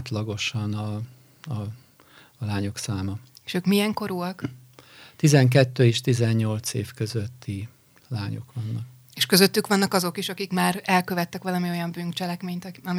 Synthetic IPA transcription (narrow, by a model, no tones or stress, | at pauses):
t̪lɒɡo̞ʃɒnɒ | ɒː | laːɲo̞ksaːmɒeʃøːkmiɛŋko̞ɾuɒk | t̪izɛŋk̬ɛt̪ːøːeːʃt̪izɛɲːo̞lt̪seːfkøzøt̪ːi | laːɲo̞̰kʋɒnːɒk | eːʃkø̞zøt̪ːykʋɒnːɒkɒzo̞kiʃɒkikmaːɾɛlkø̞vɛt̪ːɛkʋɒlɒmio̞jɒmbynt͡ʃɛlɛkmeːɲt̪ɒm